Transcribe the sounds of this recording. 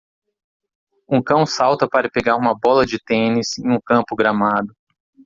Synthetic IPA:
ũkɐ̃w̃sawt̪ɐpaɾɐpeɡaɾũmɐbɔlɐd͡ʒɪt̪ẽnisẽj̃ũkɐ̃mpʊɡɾamad̪ʊ

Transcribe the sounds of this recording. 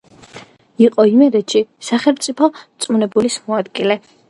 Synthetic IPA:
iqʼɔimɛɾɛt̪ʃisaχɛlˠmt̪sʼipʰɔt̪sʼmunɛbulismɔad̪ɡilɛ

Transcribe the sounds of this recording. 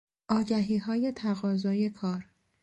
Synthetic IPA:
ʔɒːɟæɦiːɦɒːje̞t̪ʰæɣɒːzɒːje̞kʰɒːɾ

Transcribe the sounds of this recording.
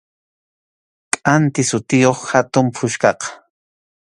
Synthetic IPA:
kʼant̪ɪsʊt̪ɪjoχhat̪ʊmpʰʊʃkɑqɑ̥

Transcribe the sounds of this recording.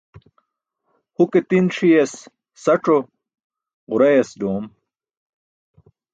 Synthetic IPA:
huket̪inʂijɐsː | ɐʈ͡ʂo | ʁuɾɐjɐsd̪oːm

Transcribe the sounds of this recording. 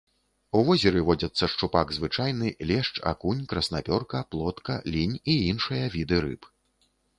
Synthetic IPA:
uvɔzʲɛɾɨvɔd͡zʲɐt̪sːɐʂt͡ʂupaɡzvɨt͡ʂajnɨlʲɛʂt͡ʂa̰kunʲkɾɐsnapʲɔrkɐplˠɔt̪kɐlʲinʲiinʂɨjɐvʲid̪ɨɾɨ̰p

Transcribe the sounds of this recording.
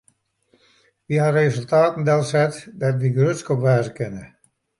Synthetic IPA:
ʋiɦarezølˠtaːtn̩dɛlˠsɛtdɔtʋiɡrøtskɔpʋaːzəkɪnə

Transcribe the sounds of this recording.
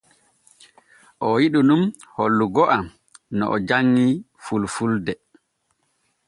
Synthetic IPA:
ʔɔwiɗunumholːuɡɔʔam | nɔ̰ʔɔd͡ʒaŋːi | fulfuldɛ

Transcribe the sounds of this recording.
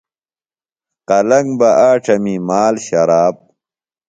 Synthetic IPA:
qɐlɐŋbɐʔaːʈ͡ʂʰɐmimaːlɕɐɾaːb̚

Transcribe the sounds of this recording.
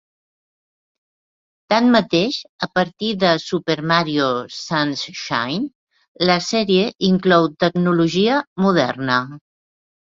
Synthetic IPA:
t̪anmət̪eʃəpəɾt̪iðəsupeɾmaɾiosansʃa̰jn | ləsɛɾieʔiŋklɔwt̪əɡnuluʒiəmuðɛrnə

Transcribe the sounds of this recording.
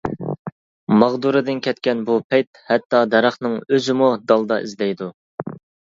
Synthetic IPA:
mɑʁd̪uɾɨd̪ɪnkʲʰɛt̪kʲɛnbupʰɛjt̪hɛt̪ʰːɑd̪ɛɾɑχnɨŋøzɪmud̪ɑlˠd̪ɑʔizd̪ɛjd̪u

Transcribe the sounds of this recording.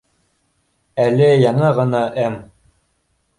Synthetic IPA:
ælɘjɑɴɤʁɤ̆nɑʔæm

